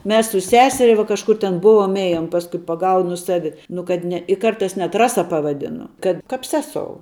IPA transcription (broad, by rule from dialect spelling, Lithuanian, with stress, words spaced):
ˈmʲɛs sʊ ˈsʲæːsʲɛrʲɛ ʋoː kɐʃˈkʊr tʲɛn ˈbʊʋoːm ˈeːjoːm pɐsˈkʊɪ pɐˈɡɐʊnʊ ˈsɑːʋʲɪ nʊ kɐt ˈnʲɛ ɪ ˈkɐrtɐɪs nʲɛt ˈrɑːsɐ pɐʋɐˈdʲɪnʊ kɐt ˈkɐp ˈsʲæːsoːʊ